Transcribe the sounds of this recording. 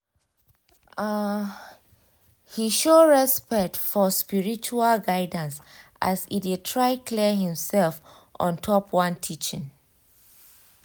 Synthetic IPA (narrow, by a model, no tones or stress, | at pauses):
hiʃoɹɛspɛk̚tfɔspiɹit͡ʃualɡaɪdə̃ns | ʔa̰sidid̚tʰɹaɪkʰlɛɦĩmsɛlf | ʔɔ̰̃ntʰɔpwãntʰit͡ʃɪ̰̃n